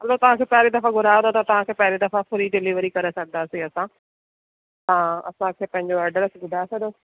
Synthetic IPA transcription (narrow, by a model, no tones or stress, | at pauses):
ɦɐlot̪ɐʋ̤ãkʰeːpɛɦɾed̪ɐfaɡʊɾaːə̃not̪ɐt̪ɐʋãkʰeːpɛɦɾed̪ɐfapʰʊɾiɖɪliːʋəɾikɐɾesɐɡənd̪aːsiɐsã | t̪ãɐ̰sãkʰeːpɐ̃ɦɪ̃ɲd͡ʑoɐɾɖəɾsɡʱʊɖʱaːsɐɡd̪oː